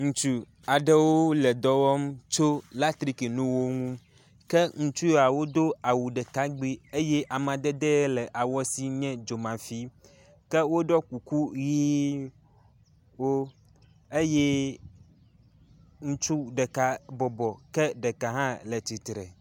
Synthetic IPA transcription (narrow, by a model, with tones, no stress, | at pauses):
ŋũ˨t͡ʃu˦ | a˨ɖɛ˦wo˦le˨d̪ɔ˦wɔ˦mt͡ʃo˦la˦t̪ɾi˦ki˨nũ˦wo˦ŋũ˦m | kɛ˦ŋũ˨˦t͡ʃu˦ja˨wo˦d̪o˦a˨wu˨ɖɛ˨ka˦ɡ͡bi˦e˦jɛ˦ʔa˨m˨ã˨d̪ɛ˦d̪e˦lɛ˨ʔa˨wɔ˦si˦ɲɛ̃˦d͡ʒo˨mã˨fi˦ | ke˦wo˦ɖɔ˦ku˨ku˦ɣi˦ | wo˦ | e˦jɛ˦ | ŋũ˦t͡ʃu˦ɖɛ˨ka˦bɔ˨bɔ˨kɛ˦ɖɛ˨ka˨ɦã˦lɛ˨t̪i˨t̪ɾɛ˨